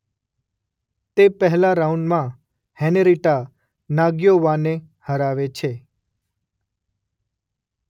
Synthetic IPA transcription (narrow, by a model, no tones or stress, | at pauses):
t̪epəɦlaɾauɳɖmã | hɛneɾiʈa | naɡjoʋane | həɾaʋet͡ʃʰe